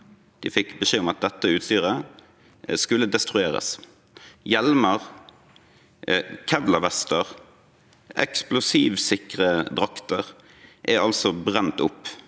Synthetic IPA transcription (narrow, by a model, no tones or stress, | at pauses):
d̪̥iːfɪkbəʃeːʊmɑt̪̚d̪ɛt̪ːəʉːt̪st̪yːʁə | skʉlːəd̪ɛst̪ʁʉeːʁə̰s | jɛlməʁ | kʰɛʋlɑʋɛst̪əʁ | ʔɛ̰ksplʊsiːʋsɪkʁəd̪ʁɑkt̪əʁ | ʔæɾɑlsɔbʁɛnt̪ʊpː